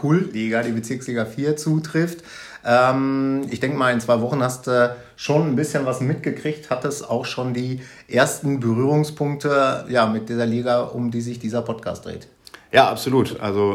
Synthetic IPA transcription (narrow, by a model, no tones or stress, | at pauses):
kʰuːlliːɡadiːbət͡sɪɐksliːɡafiːɐt͡suːtʁ̥ɪft | ʔɛːmɪçd̥ɛŋkəmaːlɪnt͡sv̥aɪvɔχn̩hastː | ʃoːnnbɪsçənvasmɪtɡ̥əkʁ̥ɪçthatəsa̰ʊxʃoːndiːʔeːɐstn̩bəʁyːʁ̞ʊŋspʰʊŋk̚təjaːmɪt̚d̥iːzɐliːɡaʔʊ̰mdiːzɪçd̥iːzɐpʰɔtkʰa̰ːst̚d̥ʁḛːt | jaːʔa̰pz̥oluːtʔa̰lzo